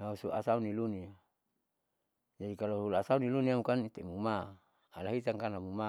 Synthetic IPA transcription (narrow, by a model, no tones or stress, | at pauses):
nausuʔasaunilunia | d͡ʒadikaloɦulasauniluniamukanit̪emumaː | laɦit̪aŋkanamuma